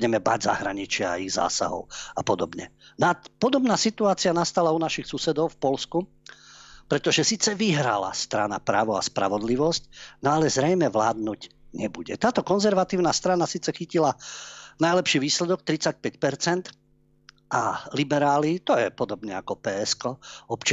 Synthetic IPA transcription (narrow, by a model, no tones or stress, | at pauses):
ɟɛmɛba̰ɟza̰ɦɾaɲit͡ʃɪaa̰iɣza̰ːsa̰ɦɔ̰ʊapɔd̪ɔbɲɛ̰napɔd̪ɔbnaːsit̪uaːt͡sianast̪alaunaʃixsusɛd̪ɔʊfpɔlsku | pɾɛt̪ɔʒɛsiːt͡sɛʋiɦɾa̰la̰st̪ɾana̰pɾaːʋɔa̰spɾa̰ʋɔd̪liʋɔscnɔalɛzɾɛjmɛʋla̰ːd̪̚nuɟɲɛbuɟɛ̰t̪aːt̪ɔkɔnzɛɾʋat̪iːʊnast̪ɾanasiːt͡sɛxicilanajlɛpʃiːʋiːslɛd̪ɔk̚t̪ɾit͡sac̚pɛcpɛɾt͡sɛnt̪ | ʔalibɛɾaːlit̪ɔjɛpɔd̪ɔbɲɛakɔpɛːɛskɔɔpt͡ʃ